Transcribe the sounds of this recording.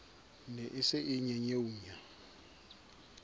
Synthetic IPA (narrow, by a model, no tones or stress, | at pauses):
nɛʔɪsɪʔɪɲɛɲeuːɲa